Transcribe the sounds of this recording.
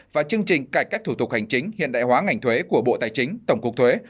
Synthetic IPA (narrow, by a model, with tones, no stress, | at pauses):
vaː˨˩t͡ɕɨ˧əŋt͡ɕï˨˩ŋ̟kaː˧˩jkaː˦˥k̚t̪ʰu˧˩t̪ʊ˨˩k̚ha˨˩ŋ̟t͡ɕï˨˦ŋ̟hḭ˧˨ənɗa̰ː˧˨jɦwaː˨˦ŋa˨˩jŋ̟t̪ʰwe˨˦ku˧˩əɓo̰˧˨t̪aː˨˩jt͡ɕï˨˦ŋ̟t̪ə˧˩wŋ͡mkʊ˦˥k̚t̪ʰwe˨˦